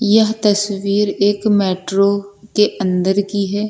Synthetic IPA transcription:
jəɦt̪əsʋiːɾɪkmɛːʈɾoːk̪eːʔənd̪əɾkiːɦɛː

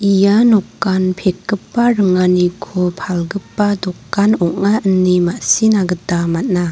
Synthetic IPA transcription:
ʔijanɔkːanpʰek̚ːɯpːaɾɯŋanikʰopʰalɡəpːadɔkːanɔk̚aʔənːimasinaɡɯtamat̚na

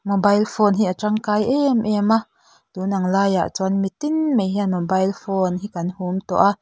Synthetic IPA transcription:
mobɐjlfɔːnɦiʔaʈ͡ʂɐŋkaːjʔɛmʔɛma | t̪uːnɐŋlaːja̰ʔt͡sɔnmit̪inmejɦianmobɐjlfɔnɦikɐnhumt̪ɔ̰ʔa

